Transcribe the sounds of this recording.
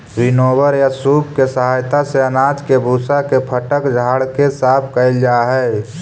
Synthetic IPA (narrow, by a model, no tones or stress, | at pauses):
ɾɪnoːbəɾjasuːbkesəɦaːjt̪aseənaːd͡ʒkebʱuːsakepʰəʈəkd͡ʒʱaːɽkesaːpʰkəɪld͡ʒaːɦɛː